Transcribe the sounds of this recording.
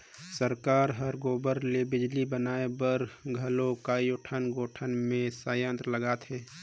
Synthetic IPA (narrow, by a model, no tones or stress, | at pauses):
səɾkaːɾɦəɾɡoːbəɾlebɪd͡ʒlibənaːebəɾɡʱəlokaːioʈʰənɡoːʈʰənmẽsaːjə̃nt̪ɾələɡaːt̪ɦɛː